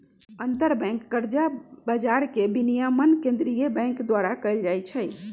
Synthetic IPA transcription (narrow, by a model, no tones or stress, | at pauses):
ənt̪əɾbɛ̃ŋkːəɾd͡ʒabad͡ʒaɾkebinijamənkẽnd̪ɾijəbɛ̃ŋkd̪waɾakəjld͡ʒajt͡ʃʰəj